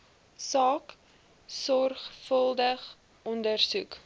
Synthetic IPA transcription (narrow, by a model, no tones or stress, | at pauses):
sɑːk | sɔrχfəlˠdəχ | ʔɔndərsuk